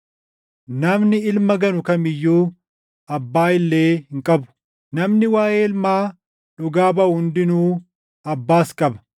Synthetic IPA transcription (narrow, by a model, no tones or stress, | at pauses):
nɐmnɪɪlmɐɡɐnʊkɐmɪjːuː | ɐbːaːɪlːe̞ːhɪŋkʼɐbʊ̥ | nɐmnɪwaːjeːlmaː | ᶑʊɡaːbɐhʊnd̪ɪnuː | ɐbːaːskʼɐbɐ̥